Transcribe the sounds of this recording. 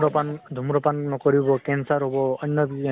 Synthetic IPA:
ɔpand̪ʱumɾɔpanːɔkɔɹibɔkɛnsaɹɦobɔɔɲːjɔbi

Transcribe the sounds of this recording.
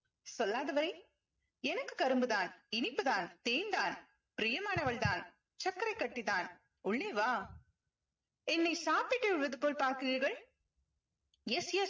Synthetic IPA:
sɔlːaːðɐʋɐɾɐɪ | ɛnɐkːɯ̥kɐɾɯmbɯðaːnɪnɪpːɯðaːnt̪eːnd̪aːn | pɪɾɪjɐmaːnɐʋɐɭt̪aːn | t͡ʃɐkːɐɾɐɪkːɐʈːiðaːn | ʊɭːeːʋaː | ɛnːɐɪsaːpɪʈːɯʊɭʋɐðɯpoːlpaːɾkɯɣiɾɣɐɭ | ɛsjɛ

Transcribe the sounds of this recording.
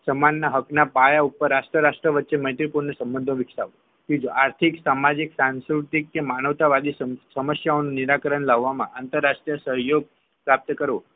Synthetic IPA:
səmanːaɦəknapajaupəɾaʃʈɾəɾaʃʈɾəʋətːʃeməjt̪ɾipuɾnəsə̃mbə̃nd̪ʱõʋɪksaʋo | kid͡ʒoʔaɾt̪ʰiksamad͡ʒiksanskɾut̪ikːemanəʋt̪aʋad̪isəməsjaonũniɾakəɾəɳlaʋːamãʔant̪əɾːaʂʈɾijəsəɦjoɡ̚ | pɾap̚t̪əkəɾʋo

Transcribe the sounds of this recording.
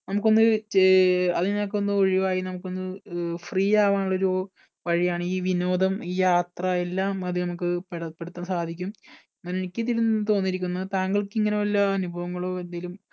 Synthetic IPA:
nɐmuk̬ːo̞nːɨ | ɐðɨnɐk̬ːonːɨo̞ɻiʋaːjinɐmukːo̞nːɨfriːjaːʋaːɳuɭːɐo̞ɾuo | ʋɐɻijaːɳɨiːʋino̞ːd̪ɐmiːjaːt̪rɐe̞lːaːmɐðɨnɐmukːɨpeɽɐpːe̞ɽut̪ːɐnːsaːd̪ʱikʲːum | nːɐnenikʲːɨt̪iɾunːɨt̪o̞ːnːiɾikʲːunːɐðɨt̪aːŋɡɐɭkiŋːɐneɐlːɐɐnubʱɐʋɐŋːɐɭo̞ːe̞nd̪aːjilum

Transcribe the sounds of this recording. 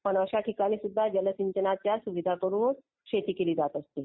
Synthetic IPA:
pəɳəɕaʈʰikaɽ̃isud̪ʱːad͡ʑələsiɲt͡ɕənat͡ɕjasuʋid̪ʱakəɾuːn | kɕet̪iːkeliːd͡zat̪əst̪i

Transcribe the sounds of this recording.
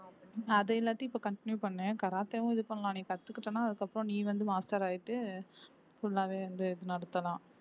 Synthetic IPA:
ɐðɛɪlːaːʈːiɪpːoːkɐɳʈɪnjupɐɳːẽːkɐɾaːt̪ːeːʋʊ̃ɪðɯpɐɳːɐlãːniːkɐt̪ːɯkːɪʈːɐnaːɐðɯkːɐpːɯɾɔ̃niːʋɐnd̪ɯmaːsʈɐɾaːjɪʈːɯ | fʊɭːaːʋeːʋɐnd̪ɯɪðɯnɐɽɯt̪ːɐlãː

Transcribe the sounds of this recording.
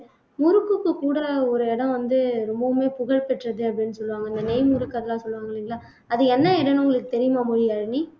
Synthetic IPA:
mʊɾɯkːɯkːɯkːuːɽɐɔɾɯɛɽɐ̃ʋɐnd̪ɯɾɔmbɐɯmeːpʊɣɐɭpɛʈːrɐðɯɐpːɐɽɪnːɯsɔlːɯʋaːŋɡɐɪnd̪ɐnɛɪmʊɾɯkːɐɾɐlãːsɔlːɯʋaːŋɡɐɭɪŋɡɐɭaː | ɐðɯɛnːɐɪɽɐnʊŋɡɐɭɯkːɯt̪ɛɾɪjɐmaːmʊɻɪjaːɾɳi

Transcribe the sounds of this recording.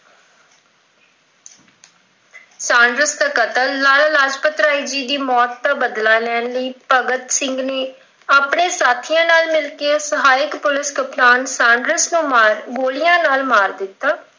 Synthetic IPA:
sãːɳɖɾəsd̪aːkət̪əlːaːlaːlaːd͡ʒpət̪ɾaːiːd͡ʒiːd̪iːmɔːt̪ːaːbəd̪laːlɛːnləiːpəɡət̪sɪŋɡneː | aːpɳeːsaːt̪ʰijãːnaːlmɪlkeːsəɦaːɪkpʊlɪskəplaːnsãːɳɖɾəsnũːmaːɾɡoːlɪjãːnaːlmaːɾd̪ɪt̪ːaː

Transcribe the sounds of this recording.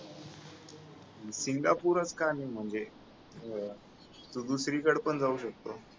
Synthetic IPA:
siŋɡapuɾət͡skanim̤əɳd͡ze | t̪ud̪usɾikəɽpəɳd͡zauɕək̚t̪o

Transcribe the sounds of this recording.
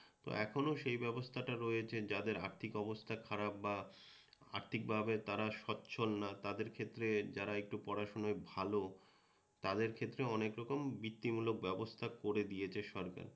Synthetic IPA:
t̪o̰ʔɛkʰonoʃejbɛbost̪ʰaʈaɾojet͡ɕʰed͡ʑad̪eɾa̰ɾt̪ʰikɔbost̪ʰakʰaɾabːa | a̰ɾt̪ʰik̚bʱabet̪aɾaʃɔtːɕʰolnat̪ad̪eɾkʰet̪ːɾed͡ʑaɾaek̚ʈupɔɾaʃonoebʱalo | t̪ad̪eɾkʰet̪ːɾeɔnekɾɔkombit̪ːimulok̚bɛbost̪ʰakoɾed̪ijet͡ɕʰeʃɔɾka̰ɾ

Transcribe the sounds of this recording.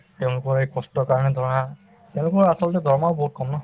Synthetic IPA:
tɛʊ̃lʊkɔɹejkɔstɔɹkaɹɔnɛdʱɔɹɔna | tɛʊ̃lʊkɔɹasɔlɔtɛdʱɔɹmaʊboɦut̚kɔmnɔ

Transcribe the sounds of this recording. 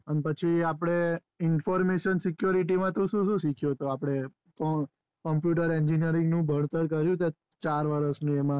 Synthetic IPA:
ənepət͡ʃʰiapɽ̃e | ɪnfɔɾmeʃənsikjoɾiʈimãt̪õʃũʃũʃikʰjot̪oapɽ̃e | kɔ | kɔmpjuʈəɾeɲd͡ʒinijəɾɪ̃ŋɡnũbʱəɳt̪əɾkəɾjũt̪e | t͡ʃaɾʋəɾəsnũemã

